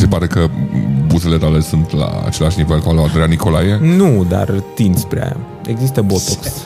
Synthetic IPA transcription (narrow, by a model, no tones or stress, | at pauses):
se̞paɾekəbuze̞le̞t̪ale̞sunt̪la̰a̰t͡ʃe̞laʃnive̞lkoalad̪ɾeaniko̞lajenud̪a̰rt̪insʲpɾea̰a̰ | e̞ɡzist̪əbot̪oks